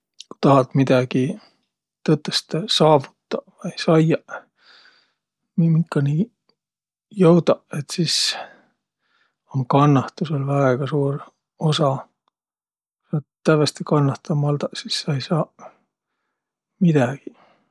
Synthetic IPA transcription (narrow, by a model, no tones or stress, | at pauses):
ku̥t̪ɑɦɑt̪mid̪̥ɑɡ̥i | t̪ɤt̪ˑːest̪sɑːvut̪ːɑvɑjsɑjɑ | mimikːɑni | jɤwd̪ɑet̪sis | oŋkɑnːɑht̪uselvɑeɡ̥ɑsuːr | osɑ | sɑt̪t̪ːævɑst̪ikɑnːɑht̪ɑmɑld̪ɑsisːɑejsɑː | mid̪̥æɡ̥i